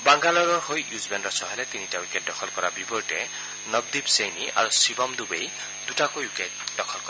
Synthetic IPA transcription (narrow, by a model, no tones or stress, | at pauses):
baŋɡalɔɾɔɹɦojjuzbenɹɔsʰɔɦelet̪initawiket̚dɔkʰɔlkɔɾabibɔɹʈe | nɔb̚d̪ibsejniʔa̰ɾusibɔmd̪ubej | d̪uʈakojwiket̚dɔkʰɔlkɔ